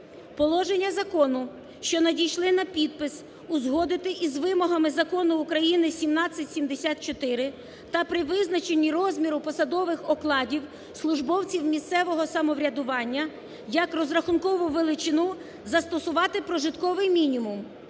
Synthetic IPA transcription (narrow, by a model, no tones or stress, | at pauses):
pɔlˠɔʒenʲːɐzɐkɔnʊ | ʃt͡ʃɔnɐdʲijʃlˠɪnɐpʲid̪̚pɪs | ʊzɦɔd̪ɪt̪ɪʔizʋɪmɔɦɐmɪzɐkɔnʊːkɾɐjinɪsʲimnɑt͡sʲːɐtʲsʲimd̪esʲat̪̚t͡ʃɔt̪ɪɾɪ | t̪ɐpɾɪʋɪznɐt͡ʃenʲːiɾɔzʲmʲiɾʊpɔsɐd̪ɔʋɪxɔklˠɑdʲiw | slˠʊʒbɔwt͡sʲiwmʲist̪ɛʋɔɦɔsɐmɔʋɾʲɐd̪ʊʋɑnʲːɐ | jɐkɾɔzɾɐxʊnkɔʋʊʋelˠɪt͡ʃɪnu | zɐst̪ɔsʊʋɑt̪ɪpɾɔʒɪt̪kɔʋɪjmʲinʲimʊm